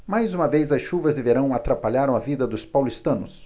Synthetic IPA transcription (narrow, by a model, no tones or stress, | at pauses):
majzũmɐvejzɐsʃuvɐzd̪eveɾɐ̃w̃at̪ɾapaʎaɾɐ̃w̃ɐvid̪ɐd̪ʊspawlist̪ɐ̃nʊs